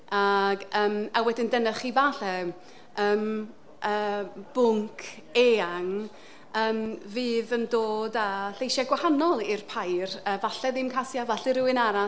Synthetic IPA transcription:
aɡəːmawɛdɪndɛnəχivaːɬɛ | əːm | ʔəːb̥ʊŋkʰ | eaŋ | əːmvɨːðəndoːdaɬejʃaɡwahanɔlˠɪrpʰajrəvaɬɛðɪmkʰasjavaɬɪɾɪwɪnaɾa

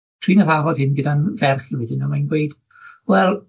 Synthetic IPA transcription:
tʰr̥iːnaðavɔdhɪnɡɨdanvɛrχɪwɪdɪnamajnɡwejd̥ | wɛlˠ

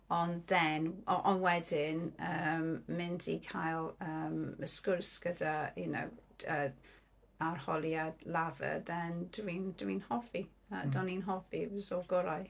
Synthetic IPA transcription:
ɔnðɛnɔʔɔnwɛdɪnəmmɪndḭkʰajlˠəːməskʊrsɡ̥ədajuno̰wə | arhɔlˠjadlˠavə̰ðɛndwind̥wiːnhɔfi | adɔninɦɔfizɔlɡʊɾaj

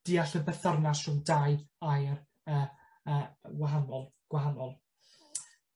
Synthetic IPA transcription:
d̥iːaɬəbɛθɔrnasrʊwdajajr | əː | əːɡwaɦanɔlˠɡ̥waɦanɔlˠ

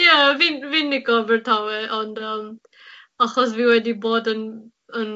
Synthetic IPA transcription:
javinvinːɪɡɔvəɹtʰawɛʔɔndəm | aχɔs̬viwɛdiboːdən | ən

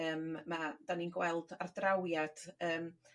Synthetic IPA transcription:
əːmmad̥aninɡwɛlˠdardrawjad̥əːm

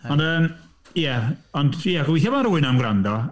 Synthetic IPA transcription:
ɔndəːm | jɛɔndjɛɡwiθabɔnaɾuːɨnamɡɾandɔ

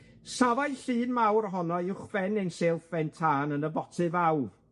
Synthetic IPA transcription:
savajɬɨːnmawrɦɔnɔɪwχv̥ɛnenseːlˠfɛntʰaːnənəbɔtʰɨvawr

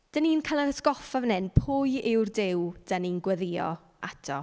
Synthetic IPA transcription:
d̥əniːnkʰalˠanəsɡɔfavnɛnpʰʊːjɪwrdɪwd̥əninɡwəðɪjɔ̰ | atʰɔ̰

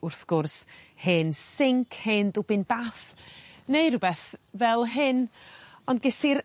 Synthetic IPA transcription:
ʊrθɡ̥ʊrshɨnsɪŋkʰhendʊbɪnbaθnejɾʊbɛθvɛlˠɦɨnɔndɡɪsiɾ

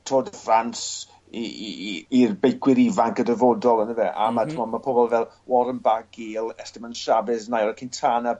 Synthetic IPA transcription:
tʰroːdəfrans | i | irbejkʰwɪɾivaŋkədəvoːdɔlˠənəvɛʔa̰matʰɪmɔmapʰobɔlˠvɛlˠ | wɔɾənbaɡeːlˠɛstɪmanʃabɨðnajɔɾəkʰɪntʰana

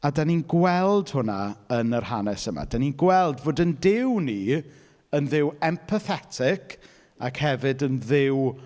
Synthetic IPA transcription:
adaninɡwɛlˠd̥hʊnaənərhanɛsəma̰d̥aninɡwɛlˠdvoːdəndɪwni | ənðɪwɛmpʰəθɛtʰɪkʰ | akhɛvɨdənðɪw

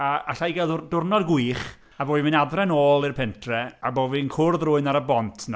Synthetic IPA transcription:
aaɬajɡɛðdʊrnɔrɡwiːχ | avoːdminadrɛnoːlˠirpʰɛntʰrɛaboːvinkʰʊrðrʊɨnaɾəbɔntʰn

